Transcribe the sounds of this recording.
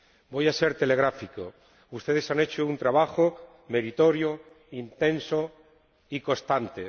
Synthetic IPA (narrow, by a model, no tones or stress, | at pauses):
bo̞jase̞ɾt̪e̞le̞ɣ̞ɾafiko̰ | ust̪e̞ð̞e̞sane̞t͡ʃount̪ɾaβ̞axo | me̞ɾit̪o̞ɾjo | int̪ẽ̞nso | iko̞st̪ant̪e̞